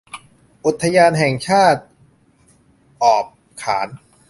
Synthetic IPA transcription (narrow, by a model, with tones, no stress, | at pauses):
ʔu˨˩t̪ʰːa˧jaː˧nɦɛ˨˩ŋt͡ɕʰaː˥˩t̪̚ | ʔɔː˨˩p̚ | kʰːaː˩˦n